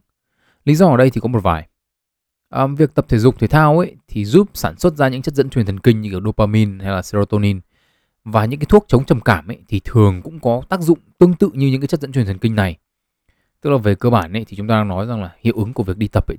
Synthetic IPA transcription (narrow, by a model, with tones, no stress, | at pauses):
li˨˦zɔ˧əː˨˩ɗə˧jt̪ʰi˨˩kɔ˨˦mo˨˩t̚vaː˨˩j | ʔə˨˩vi˨˩ək̚t̪ə˨˩p̚t̪ʰe˧˩zʊ˨˩k͡p̚t̪ʰe˨˦t̪ʰaː˧wʔḛ˧˦jt̪ʰi˨˩zuː˦˥p̚saː˧˩nswə˦˥t̚zaː˧ɲɨ̰˧˥ŋt͡ɕə˦˥t̚zə̰˧˥nt͡ɕwi˨˩nt̪ʰə˨˩ŋkï˧ŋɲɨ˧ki˧˩ɗo˧paː˧mi˧nha˧jlaː˨˩se˧zo˧t̪o˧ni˧n | vaː˨˩ɲɨ̰˧˥kaː˨˦t̪ʰu˦˥ək̚t͡ɕə˨˦wŋ͡mt͡ɕə˨˩mkaː˧˩mʔt̪ʰi˨˩t̪ʰɨ˨˩əŋkʊ̰˧˥ŋ͡mkɔ˨˦t̪aː˦˥k̚zʊ̰˧˨ŋ͡mt̪ɨ˧əŋt̪ɨ̰˧˨ɲɨ˧ɲɨ̰˧˥ŋkaː˨˦ə˦˥t̚zə̰˧˥t͡ɕwt̪ʰŋkï˧ŋna˨˩j | t̪ɨ˦˥k̚laː˨˩ve˨˩kəː˧ɓaː˧˩nʔḛ˧˥t̪ʰi˨˩t͡ɕʊ˨˦ŋ͡mt̪aː˧aː˧ŋnɔ˨˦jza˨˩ŋlaː˨˩hḭ˧˨əwʔɨ˨˦ŋku˧˩əvi˨˩ək̚ɗi˧t̪ə˨˩p̚ʔḛ˧˥˦